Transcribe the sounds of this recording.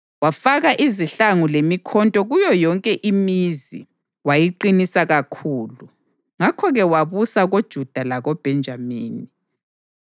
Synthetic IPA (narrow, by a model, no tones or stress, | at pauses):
wafaɣaʔiziɬaŋulemikʰɔntʼɔɣujɔjɔŋkʼɛʔimizḭ | wajiǃinisaɣakʰuːlu | ŋakʰɔɣɛwaβusaɣod̥ʒ̥ʱud̥ʱalaɣɔb̥ʱɛnd͡ʒʱamiːni